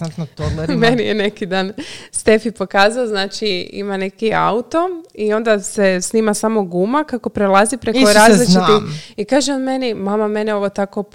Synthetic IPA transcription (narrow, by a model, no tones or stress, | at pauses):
amenijene̞kid̪aːnst̪e̞fipo̞kaːzaoznaːt͡ʃiḭmane̞kia̰ut̪o̞io̞nd̪asesniːmasamo̞ɡumakako̞pɾelˠazipɾe̞koɾaːzlit͡ʃiiikaːʒeod̪me̞nimamame̞neoʋot̪ako̞